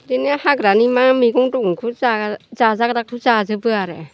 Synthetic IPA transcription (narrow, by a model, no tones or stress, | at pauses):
denehaɡɾanimamiɡɔŋdɔɡuŋkʰuzazazaɡɾakʰuzazɯbɯaɾɛ